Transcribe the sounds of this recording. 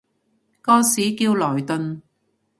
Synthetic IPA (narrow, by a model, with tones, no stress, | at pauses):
kɔː˥siː˨˥kiː˧wlɔː˨˩jt̪ɵ˨˧n